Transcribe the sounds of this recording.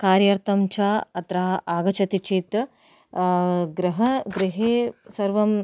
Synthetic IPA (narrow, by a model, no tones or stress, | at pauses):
kaːɾjɐɾt̪ɐmt͡ʃʰaːɐt̪ɾaːʔaːɡɐt͡ʃɐt̪it͡ʃit̪ | ɡɾɐɦɐɡɾiɦeːsɐɾʋɐm